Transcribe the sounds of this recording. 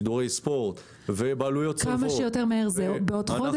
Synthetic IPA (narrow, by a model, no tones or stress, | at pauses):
d̪uʁejspoʁt̪ | vebaːlujotkamaʃejoteʁmeeʁzebeod̪χod